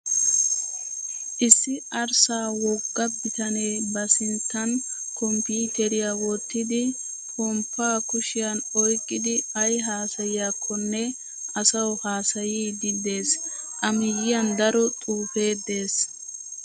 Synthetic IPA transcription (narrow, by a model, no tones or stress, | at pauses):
ʔɪsːɪʔɐɾsaːwɔɡːɐbɪt̪ɐneːbɐsɪnt̪ːɐn | kɔmpuːt̪ɛɾɪjawɔt̪ːɪd̪ɪ | hɔmpːaːkʊʃɪjɐnɔjkʼːɪd̪ɪɐjɦaːsɐjɪjaːkʰːɔnːɛ | ɐsɐwhaːsɐjiːd̪ɪd̪e̞ːsʔʼɐmɪjɪjɐnd̪ɐɾɔt̪ʼuːfe̞ːd̪e̞ːs